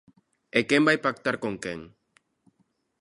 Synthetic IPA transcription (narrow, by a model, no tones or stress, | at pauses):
ekembajpakt̪aɾkoŋkeŋ